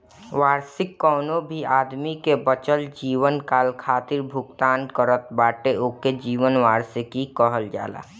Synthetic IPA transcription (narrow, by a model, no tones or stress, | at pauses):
ʋaːɾsɪkːɔːnobʱiaːd̪mikebət͡ʃəld͡ʒiːwənkaːlkʰaːt̪ɪɾbʱʊɡt̪aːnkəɾət̪̚baːʈeoːked͡ʒiːʋənʋaːɾsɪkikəɦəld͡ʒa̰ːla̰ː